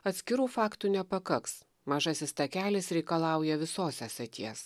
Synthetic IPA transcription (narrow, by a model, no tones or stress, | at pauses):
ɐt̪ʲsʲkʲɪɾuːfɑːkt̪uːnʲɛpɐkɐks | mɐʒɐsʲɪst̪ɐkʲæːlʲɪsɾʲɛɪkɐlˠɑˑʊjɛʋʲɪsoːsʲɛsʲɐt̪ʲiɛs